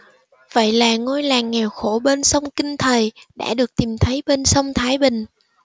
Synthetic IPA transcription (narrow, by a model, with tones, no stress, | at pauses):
və̰˧˨jlaː˨˩ŋo˧jlaː˨˩ŋŋɛ˨˩wxo˧˩ɓe˧nsə˧wŋ͡mkï˧ŋ̟t̪ʰə˨˩jɗa̰ː˧˥ɗɨ˨˩ək̚t̪i˨˩mt̪ʰə˨˦jɓe˧nsə˧wŋ͡mt̪ʰaː˨˦jɓï˨˩ŋ̟